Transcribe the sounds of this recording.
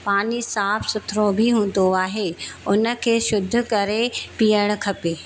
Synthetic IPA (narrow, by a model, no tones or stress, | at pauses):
paːnisaːfʰsʊt̪ʰɾobʱɪɦũːn̆d̪oaːɦeːʊnə̆kʰeːʃʊd̪ʱʊ̆kɐɾepijəɽ̃ʊ̆kʰɐpeː